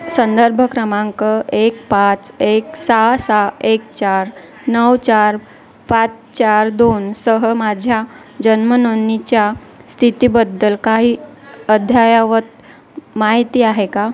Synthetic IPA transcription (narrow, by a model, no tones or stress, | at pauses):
sənd̪əɾbʱəkɾəmãŋkəek̚pat͡seksasaekt͡ɕaɾ | nəwt͡ɕaɾ | pat͡s | t͡ɕaɾd̪onsəɦəmad͡ʑʱja | d͡ʑənmənonit͡ɕjast̪ʰit̪iːbəd̪ːəlkaɦiːəd̪ʱjajaʋət̪ | maɦit̪iːaɦeka